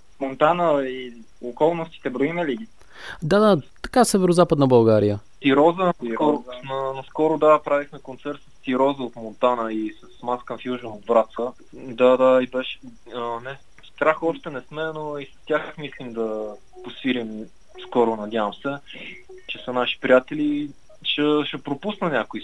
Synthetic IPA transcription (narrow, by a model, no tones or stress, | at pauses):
mont̪anəi | okɔlˠnost̪i̥t̪ɛbɾoimɛliɡʲi | d̪ad̪at̪ɐ̥kasɛvɛɾozapəd̪nəbɐlˠɡaɾijət̪iɾɔzəkɔɾʊnənɐskɔɾʊd̪apɾavixmɛkont̪sɛɾt̪səst̪iɾɔzəot̪mont̪anəisɐsmaskənfjuʒnəod̪vɾat̪sə | d̪ad̪aibɛʃ | ənɛ | st̪ɾaxɔʃt̪ɛnɛsmɛnoisɐ̥st̪ʲjaxmislimd̪ɐ | posiɾim | skɔɾʊnɐd̪ʲavəmsɛ | t͡ʃɛsənaʃi̥pɾʲijat̪ɛli | ʃəʃɛpɾopusnənʲakʊi